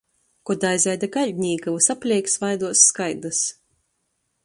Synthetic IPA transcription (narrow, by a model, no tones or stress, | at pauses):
kɔd̪ajzajd̪aɡaʎʲɲʲiːɡavɨsapʲlʲiɛksvajd̪uɔsːkajd̪ɨs